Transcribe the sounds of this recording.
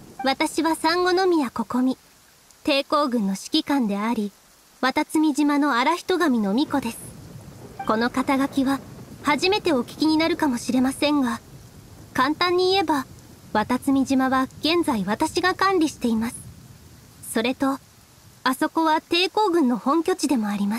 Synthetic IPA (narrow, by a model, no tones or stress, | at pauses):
βat̪aɕiβasãŋɡo̞no̞mʲijako̞ko̞mʲi | t̪e̞ːko̞ːɡɯ̟̃nːo̞ɕi̥kʲikãnd̪e̞aɾʲi | βat̪at͡sɨmʲiʑimano̞aɾaçʲi̥t̪o̞ɡamʲino̞mʲiko̞d̪e̞sɨ̥ | ko̞no̞kat̪aɡakʲiβahaʑime̞t̪e̞o̞kʲi̥kʲiɲ̟inaɾɯ̟kamo̞ɕiɾe̞masẽ̞ŋɡa | kãnt̪ãɲ̟ːiːe̞ba | βat̪at͡sɨmʲiʑimaβaɡ̥ẽ̞nd͡zaiβat̪aɕiɡakãnɾʲiɕi̥t̪e̞imasɨ̥ | so̞ɾe̞t̪o̞ | aso̞ko̞β̞at̪e̞ːko̞ːɡɯ̟̃nːo̞hõ̞ŋkʲo̞t͡ɕid̪e̞mo̞aɾʲimas